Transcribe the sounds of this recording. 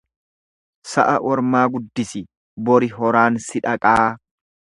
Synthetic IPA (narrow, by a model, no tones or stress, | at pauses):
sɐ̰ʔɐʔɔɾmaːɡʊd̪ːɪsɪ | bɔɾɪɦɔɾaːnsɪᶑɐkʼaː